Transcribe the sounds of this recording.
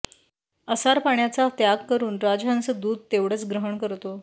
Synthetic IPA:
əsaɾpaɳjat͡sat̪jaɡkəɾuːnɾad͡ʑant͡səd̪uːd̪̚t̪eʋɽ̤ət͡sɡɾəɦəɳkəɾt̪o

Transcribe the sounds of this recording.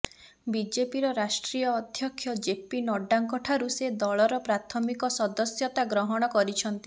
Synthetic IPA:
bid͡ʒepiɾɔɾasʈɾijɔːd̪ʱjɔkʰːjɔd͡ʒepinɔɖːaŋkɔʈʰaɾused̪ɔɭɔɾɔpɾat̪ʰɔmikɔsɔd̪ɔsjɔt̪aɡɾɔɦɔɽ̃ɔkɔɾit͡ʃʰɔnt̪i

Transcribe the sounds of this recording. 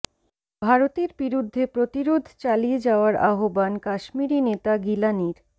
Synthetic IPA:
bʱaɾot̪eɾbiɾud̪ʱːepɾot̪iɾod̪ʱt͡ɕalied͡ʑaoaɾa̰ɦobankaʃmiɾinet̪aɡilaniɾ

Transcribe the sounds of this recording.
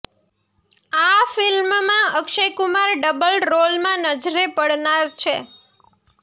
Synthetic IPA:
afilmmãəkʃejkʊmaɾɖəbəlɖɾolmãnəd͡ʒɾepəɽnaɾt͡ʃʰe

